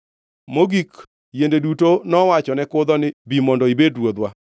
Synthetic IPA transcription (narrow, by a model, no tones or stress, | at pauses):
moɡik | jendedutonɔwat͡ʃɔnɛkʊd̪ɔnɪbimɔndɔibedɾwod̪wa